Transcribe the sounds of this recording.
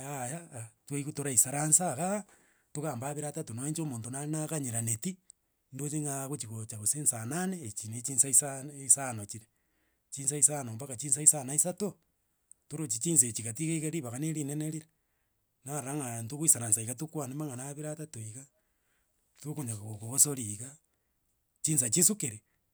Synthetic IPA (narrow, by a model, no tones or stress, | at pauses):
ajatweikutoɾaisaɾansaɣa | toɣaːmbaβiɾatatonaeɲt͡ʃomoːntonainakaɲeɾaneti | ndot͡ʃeŋaɣot͡ʃiɣot͡ʃaɣosensananeːt͡ʃinet͡ʃinsaisaisanot͡ʃiɾe | t͡ʃiːnsaisanombakat͡ʃins̬aisanaisato | toɾot͡ʃit͡ʃins̬et͡ʃiɣatiɣeiɣeɾiβaɣaneɾineneɾiɾe | naɾaŋantoɣwisanansaikatukwanemaŋanaβiɾatatoiɣa | tokoɲakaokoɣosoɾiɣa | t͡ʃiːns̬at͡ʃisukeɾe